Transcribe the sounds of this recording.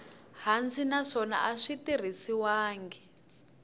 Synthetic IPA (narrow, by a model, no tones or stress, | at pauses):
ɦand͡zinaʂɔna̰ʔaʂitir̤isiwaːŋɡɛ